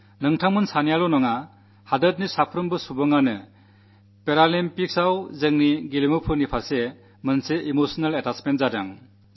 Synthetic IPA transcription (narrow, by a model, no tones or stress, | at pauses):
nɯŋtʰamɯnsanijalɔnɔŋa | hadɐt̚nisapʰɾɯmbɯsubɯŋanɯ | peɾalimpiksawzɯŋniɡilimɯpʰɯnipʰase | mɯnseʔimosɔnaletasmentzada̰ŋ